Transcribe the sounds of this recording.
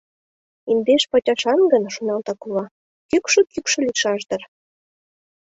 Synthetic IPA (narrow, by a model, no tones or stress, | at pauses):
ind̪eʃpɑtʲɑʃɑnɡə̆nʃunɑlt̪ɑkulɑ | kykʃø̆kykʃɤ̆lʲiʃɑʃd̪ɤ̆r